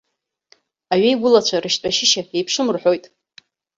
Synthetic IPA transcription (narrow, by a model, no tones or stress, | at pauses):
aɥejɡʷʊlat͡ɕʷʰarɨʃt͡ɕʷʼaʃɪʃaejpʰʂɨmɨrħʷᶣo̞jtʼ